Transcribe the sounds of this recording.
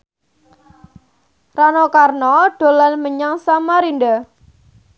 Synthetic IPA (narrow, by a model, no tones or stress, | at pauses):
ranɔkarnɔɖ̥o̤lanməɲaŋsamaɾinɖa